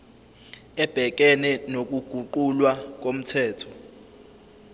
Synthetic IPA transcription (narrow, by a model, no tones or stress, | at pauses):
ɛb̥ʱɛk̬ʼɛnɛnok̬ʼuɡ̥ʱuǃulwak̬om̩tʰɛːtʰɔ̥